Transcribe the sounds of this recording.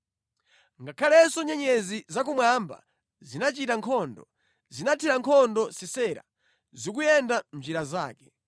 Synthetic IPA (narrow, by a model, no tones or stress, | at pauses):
ŋɡakʰalɛsɔɲɛɲɛzizak̬umwamba̰ | zinat͡ʃitaŋkʰɔndɔ | zinatʰiɾaŋkʰɔndɔsisɛːɾa̰ | zikujɛndan̩d͡ʒiɾazaːkɛ̥